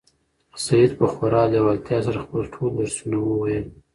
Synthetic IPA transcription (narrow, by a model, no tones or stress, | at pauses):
sajid̪pəxaɾɑlawalt̪jɑsaɾaxpəlʈʰold̪aɾsunawəwajəl